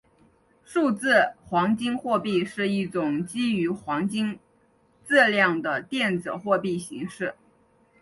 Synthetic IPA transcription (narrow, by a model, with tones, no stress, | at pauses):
ʂu˥˧t͡sɹ̩˥˩xwɑ˧˥ŋt͡ɕi˥ŋxwɔ˥˧pi˥˧ʂɻ̩˥˧i˥˩ʈ͡ʂʊ˨˩ŋt͡ɕi˥y˧˥xwɑ˧˥ŋt͡ɕi˥ŋ | t͡sɹ̩˥˧ljɑ˥˩ŋd̪ə˩t̪jɛ˥˩nt͡sɹ̩˨˩xwɔ˥˧pi˥˩ɕḭ˧˥ŋʂɻ̩˥˩